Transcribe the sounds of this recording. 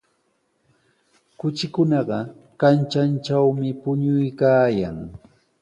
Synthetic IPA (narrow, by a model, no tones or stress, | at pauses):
kʊt͡ʃɪkʊnɑɢɑkant͡ʃant͡ʃawmɪpʊɲʊjkaːjaŋ